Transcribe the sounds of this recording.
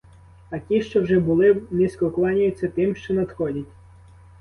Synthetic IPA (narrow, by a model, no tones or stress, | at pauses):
ɐkʲiʃt͡ʃɔwʒɛbʊlˠɪnʲisʲkɔklˠɑnʲʊjʊt͡sʲːɐt̪ɪmʃt͡ʃɔnɐd̪xɔdʲɐtʲ